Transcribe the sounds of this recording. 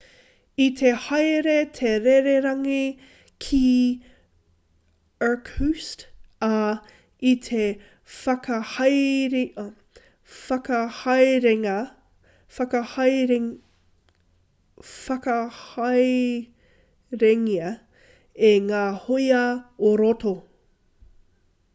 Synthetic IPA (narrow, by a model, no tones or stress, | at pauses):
it̪ʰehɐjɾetʰeɾeɾeɾɐŋi | kʰi | ə˞khustɐ | it̪ʰe | fɐkɐhɐjɾi | fɐkɐhɐjɾeɐ | fɐkɐhɐj | fɐkɐhɐj | ɾeŋiɐ | eŋaːhojɐoɾoto